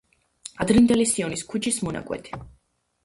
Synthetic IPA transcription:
ad̪ɾind̪ɛlisiɔniskʰut͡ʃʰismɔna̰kʼwɛ̰t̪ʰi̥

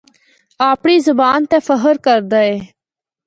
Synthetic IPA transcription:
aːpɳiːzəbaːnt̪eːfəɦəɾkəɾd̪əːeː

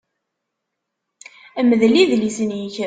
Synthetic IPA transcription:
əməðliðlisənjəç

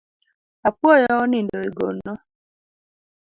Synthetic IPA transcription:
apwɔjɔɔnindɔiɡo̰nːɔ

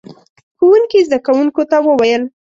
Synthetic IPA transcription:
xowuŋkizd̪akawuŋkot̪awəwajəl

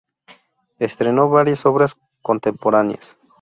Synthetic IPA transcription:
est̪ɾe̞no̞βaɾjaso̞βɾas | kont̪empoɾanja̰s

